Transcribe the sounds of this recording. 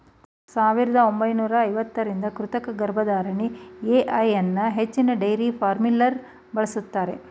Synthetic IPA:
saːʋiɾɐd̪ɐombɐjnuːɾɐːjʋɐt̪ːɐɾind̪ɐkɾut̪ɐkɐɡɐɾbʱɐd̪aːɾɐɳieʔɐjɐnːɐɦet͡ʃːinɐɖɐjɾipʰaːɾmilːɐɾ | bɐɭɐsut̪ːaːɾe̞̰

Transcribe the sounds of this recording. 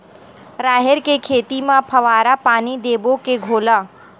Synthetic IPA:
ɾaːɦɪɾkekʰeːt̪imãpʰəʋaːɾapaːnid̪eːbokeɡʱoːla

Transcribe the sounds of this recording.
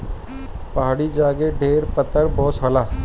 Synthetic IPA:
pɐɦaːɽid͡ʒaːɡeɖʱeːɾpət̪ːəɾbɔɦʊt̪sɦɐlaː

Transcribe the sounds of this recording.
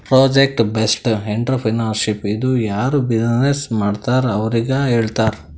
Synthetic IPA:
pɾoːd͡ʒek̚ʈbesʈeɳʈɾɐpʰinaːɾʃipid̪ujaːɾubid͡ʒnesmaːɖt̪aːɾɐʋɐɾiɡɐɦeːɭt̪aːɾ

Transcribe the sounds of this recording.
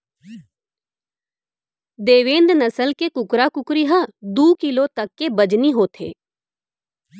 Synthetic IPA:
d̪eːʋẽːnd̪nəsəlkeːkʊkɾaːkʊkɾiːɦad̪uːkɪloːt̪əkːeːbəd͡ʒniːɦoːt̪ʰḛː

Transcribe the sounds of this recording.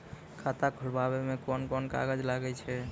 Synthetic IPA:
kʰat̪akʰuɽbaβemekɔnkɔnka̰ɡəd͡ʒlaɡɛt͡ʃʰɛ

